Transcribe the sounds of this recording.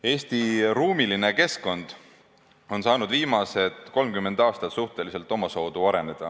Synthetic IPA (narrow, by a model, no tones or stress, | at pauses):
e̞ːst̪iruːmiline̞ke̞sko̞nd̪̥ | o̞nsɑːnud̪viːmɑse̞d̪̥ko̞lmkymːe̞nd̪̥ɑːst̪ɑt̪suht̪e̞lise̞lt̪ːˑo̞mɑso̞ːd̪̥uɑɾe̞ne̞d̪̥ɑ̰